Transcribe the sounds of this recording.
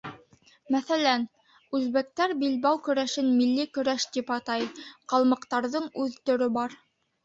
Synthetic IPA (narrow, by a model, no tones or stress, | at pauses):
mæθælæn | ʉzβæk̚t̪æɾbilbæwkɵ̆ɾæʃɘnmilːikɵ̆ɾæʃt̪ipɑt̪ɑjqɑlˠmɤ̆qt̪ɑɾðɤɴʉðt̪ɵ̆ɾɵbɑɾ